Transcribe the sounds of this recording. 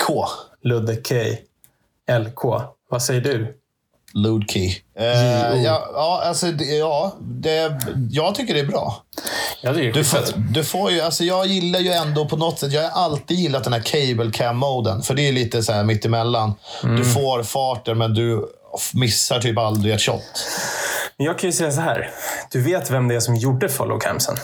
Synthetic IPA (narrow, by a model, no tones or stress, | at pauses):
kʰoːlɵd̪əkʰɛj | ɛlkʰoːvasɛjːəɖɵ | luːd̪kʰi | jɑɑːalsɔd̪jɑːd̪ɛjɑːɡ̚t̪ʰʏkːəɖɛæɾbɾɑ̰ː | ɵfɾat̪d̪ɵfoːɾjɵalsɔjɑːɡjɪlːaɾjɵɛnd̪oːpʰɔnɔt̪ːsɛt̪ːjɑːɡaɾʔalt̪iːd̪jɪlːat̪d̪ɛnhæɾkʰɛjbəlkʰæmːoʊd̪ənfœəɖɛæliːt̪əsɔhæːɾmɪt̪ːɪmɛlːand̪ɵfoːɾfɑːʈəɾmɛnd̪ɵ | mɪsːaʈʰyːpald̪ɾɪæʈ̪ɕɔ̰t̪ː | mɛnjɑːɡkʰanjɵsɛjːas̬ɔɦæ̰ːɾd̪̥ɵveːt̪vɛmd̪ɛæsɔmjuɖːəfɔ̰lʔɔ̰kʰæ̰msə̰n